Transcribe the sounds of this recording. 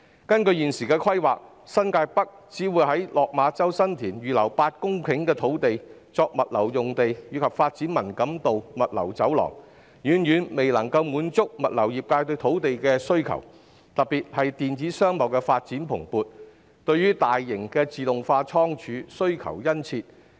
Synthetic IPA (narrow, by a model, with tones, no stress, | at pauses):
kɐ˥nkɵ˧ɥjiː˨nsiː˨˩kɛː˧kʰɐ˥jwaː˨k̚ | sɐ˥nkaː˧jpɐ˥k̚t͡siː˨˥wuː˨˧jhɐ˨˥jlɔː˨k̚maː˨˧t͡sɐ˥wsɐ˥nt̪ʰiː˨˩nɥyː˨˩lɐ˨˩wpaː˧t̚kʊ˥ŋkʰɪ˨˥ŋkɛː˧t̪ʰo˨˥wt̪e˨jt͡sɔː˧k̚mɐ˨t̚lɐ˨˩wjʊ˨ŋt̪e˨jjyː˨˧kʰɐ˨p̚faː˧t̚t͡siː˨˥nmɐ˨˩nkɐ˨˥mt̪o˨wmɐ˨t̚lɐ̰˨˩wt͡sɐ˨˥wlɔ̰ː˨˩ŋ | jyː˨˧njyː˨˥nme˨jlɐ˨˩ŋkɐ˧wmuː˨˥nt͡sʊ˥k̚mɐ˨t̚lɐ˨˩wjiː˨p̚kaː˧jt̪ɵ˧ɥt̪ʰo˨˥wt̪e˨jkɛː˧sɵ˥ɥkʰɐ̰˨˩w | t̪ɐ˨pːiː˨t̚hɐ˨jt̪iː˨nt͡siː˨˥sœː˥ŋmɐ˨˩wkɛː˧faː˧t̚t͡siː˨˥npʰʊ˨˩ŋpuː˨˧t̚ | t̪ɵ˧ɥyː˥t̪aː˨jːɪ˨˩ŋkɛː˧t͡siː˨t̪ʊ˨ŋfaː˧t͡ʃʰɔː˥ŋt͡ʃʰyː˨˧˥sɵ˥ɥkʰɐ̰˨˩wjɐ˥nt͡sʰiː˧t̚